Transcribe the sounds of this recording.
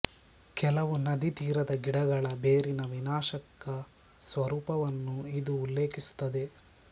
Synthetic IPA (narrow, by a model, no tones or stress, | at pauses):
kɛlɐʋunɐd̪it̪iːɾɐd̪ɐɡiɽɐɡɐɭɐbeːɾinɐʋinaːʃɐkɐ | sʋɐɾuːpɐʋɐnːuid̪uːlːe̞ːkisu̥t̪ːɐd̪e̞